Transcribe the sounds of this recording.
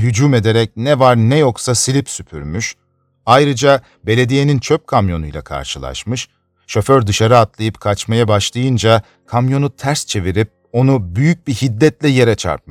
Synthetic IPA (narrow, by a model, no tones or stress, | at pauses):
ɦyd͡ʒuːme̞d̪eɾɛc̚nɛvaɾnɛjo̞ksasilʲipsypʰy̰ɾmyʃ | ajɾɯd͡ʒa | be̞lʲe̞d̪ije̞nint͡ʃʰøp̚kʰamjo̞nujlˠa̰kʰa̰ɾʃɯlˠa̰ʃmɯʃ | ʃo̞føɾd̪ɯʃaɾɯat̪lˠajɯpkʰat͡ʃmajabaʃlˠajɯnd͡ʒa | kʰamjo̞nut̪ʰæɾst͡ʃʰe̞viɾip̚ | o̞nubyjyc̚bihid̪ːɛt̪lʲɛje̞ɾɛt͡ʃʰa̰ɾp̚maʃ